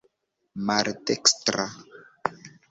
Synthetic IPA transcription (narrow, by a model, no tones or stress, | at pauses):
maɾdekstɾa